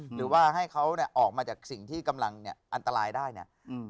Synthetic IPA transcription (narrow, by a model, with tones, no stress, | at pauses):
ɾɯː˩˦waː˥˩ɦa˥˩jkʰa˦˥wni˥˩ʔɔː˨˩k̚maː˧t͡ɕaː˨˩k̚si˨˩ŋt̪ʰiː˥˩ka˧mla˧ŋni˦˥˩ɐʔa˧nt̪a˧ɾaː˧jdaː˥˩jnḭ˦˥˩